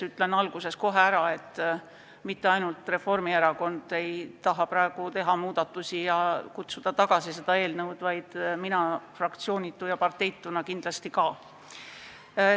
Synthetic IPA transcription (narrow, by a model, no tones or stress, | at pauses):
yt̪ˑlenːɑlɡ̥use̞sko̞ɦe̞æɾɑe̞t̪ː | mit̪ːe̞ɑjnult̪ˑre̞fo̞rmieɾɑko̞nd̪̥e̞jt̪ɑɦɑpɾɑe̞ɡ̥ut̪e̞ɦɑmuːd̪̥ɑt̪ːˑusijɑkut̪sud̪̥ɑt̪ɑɡ̥ɑsise̞d̪̥ɑe̞ːlnɤwd̪̥vɑjd̪̥minɑfrɑkt̪sio̞ːnʲit̪ːˑujɑpɑrt̪ːˑe̞jt̪ːˑunɑkind̪lɑst̪ikɑː